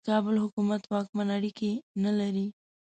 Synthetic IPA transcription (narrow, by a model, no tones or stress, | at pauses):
kɑbəlɦʊkumat̪wɑk̚manaɽikenalaɾi